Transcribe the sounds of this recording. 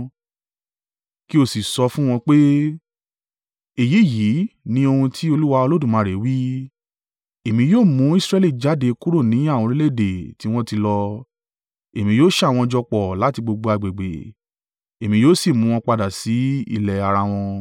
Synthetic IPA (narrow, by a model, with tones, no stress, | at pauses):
ki˦o˦˨si˨sɔ˧fũ˦w̃ɔ̃˧k͡pe˦ | e˨ji˨˦˨ji˨˦nĩ˧˦o˧hũ˧tʰi˦o˧lu˦wa˧o˧lo˦dũ˦˨mãː˨˦ɾe˨˦wi˦ | e˨mĩ˧joː˦˨mũ˨˦i˦sɾɛ˦˧li˦˨d͡ʒa˨˦de˧ku˦ɾo˦˨nĩ˨˦a˦˨wɔ̃˧ɾi˦le˦˨de˨ti˦w̃ɔ̃˦ti˧lɔ˧ | e˨mĩ˧joː˦ʃa˦˨w̃ɔ̃˧d͡ʒɔ˧k͡pɔ˨la˨˦ti˧ɡ͡bo˧ɡ͡bo˧a˧˨ɡ͡be˨ɡ͡bḛ˨ | e˨mĩ˧joː˦si˦˨mũ˧˦w̃ɔ̃˧k͡pa˧da˨si˨˦ḭ˧˨lɛ˨a˧ɾa˧w̃ɔ̃˧